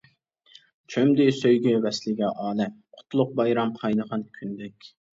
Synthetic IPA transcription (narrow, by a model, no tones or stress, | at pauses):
t͡ʃʰømd̪ɪsøjɡʲɛwɛslɪɡʲɛʔɑːlˠɛmqʰʊ̥t̪lˠʊq̚bɑjɾɑmqʰɑjnəʁɑnkʲʰynd̪ɛkʲ